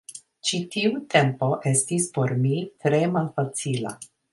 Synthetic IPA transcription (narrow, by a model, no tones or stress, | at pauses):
t͡ʃitiutʰe̞mpo̞ʔe̞stispo̞ɾmitɾe̞malfat͡sila̰